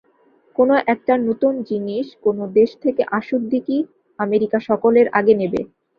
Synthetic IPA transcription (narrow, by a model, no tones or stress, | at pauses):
konoʔɛk̚ʈanot̪und͡ʑiniʃkonod̪eʃt̪ʰekeʔaʃud̪iki | ameɾikaʃɔkoleɾʔa̰ɡenebḛ